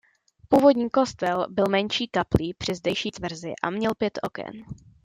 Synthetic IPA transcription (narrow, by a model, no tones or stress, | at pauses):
puːvo̞dɲiːko̞st̪ɛlbɪlmɛnt͡ʃiːkapliːpr̥ɪzdɛjʃiːt̪vr̩zɪ̰ʔa̰mɲɛlpjɛt̪ʔo̞̰kɛ̰n